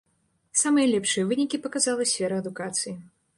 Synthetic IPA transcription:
samɨjɐlʲɛpʂɨjɐvɨnʲikʲipɐkazalˠɐsʲfʲɛɾɐɐd̪ukat̪sɨji

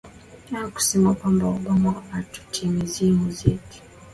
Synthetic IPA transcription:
aaku̥sɛmakwambauɓamaatu̥tʰimizimuziki̥

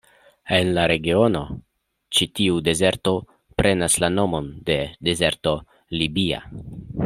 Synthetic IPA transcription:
e̞nlaɾe̞ɡio̞no̞ | t͡ʃitiude̞ze̞ɾto̞ | pɾʔe̞naslano̞mo̞nde̞de̞ze̞ɾto̞ | libia̰

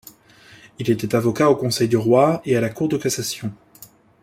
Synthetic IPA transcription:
ilet̪ɛt̪avɔkaokɔ̃sɛjd̪yʁwaealakuʁd̪əkasasjɔ̃

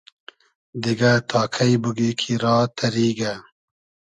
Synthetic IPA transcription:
d̪iɡat̪ʰɑːkʰɐjbuɡikʰiɾɑːt̪ʰɐɾiːɡa

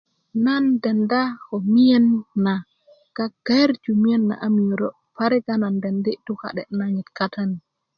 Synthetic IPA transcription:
nandɛndakɔmijɛnːa | ɡ̥aɡ̥aɾd͡ʒumianːa̰ʔamiɾɔ | paɾɛɡanandɛndituka̰ɗɛ̰naɲitkatʰani

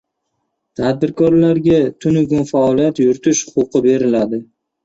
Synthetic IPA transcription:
t̪ʰad̪̚bɪɾkʰɒɾlaɾɡʲat̪ʰʊnʊɡʊnfaɒlijat̪jʊɾt̪ʰɪʃhʊ̥qʊqɨbe̞ɾɪlad̪ɪ

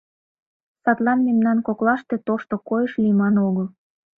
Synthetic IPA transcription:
sɑt̪lɑnmemnɑnkoklɑʃt̪et̪oʃt̪okojəʃlimɑnoɣəl

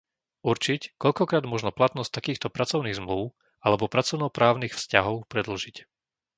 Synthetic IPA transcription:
uɾt͡ʃickɔʎkɔkɾaːd̪mʊɔʒnɔplat̪nɔst̪akiːxt̪ɔpɾat͡sɔʊniːɣzmluʊ | alɛbɔpɾat͡sɔʊnɔpɾaːʊnixfscaɦɔʊpɾɛd̪l̩ʒic

